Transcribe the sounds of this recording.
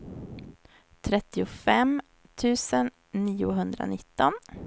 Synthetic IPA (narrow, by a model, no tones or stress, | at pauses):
t̪ʰɾɛt̪ːɪʊfɛm | t̪ʰʉ̟ːsənː | iːʊɦɵnd̪ɾa̰nɪt̪ːɔn